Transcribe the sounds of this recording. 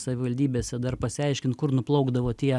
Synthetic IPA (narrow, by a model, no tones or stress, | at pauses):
sɐʋʲɪʋɐlʲd̪ʲiːbʲeːsʲɛd̪ɐrpɐsʲɪɐɪʃʲkʲɪnt̪kʊɾnʊplˠɐʊɡd̪ɐʋoːt̪ʲiɛ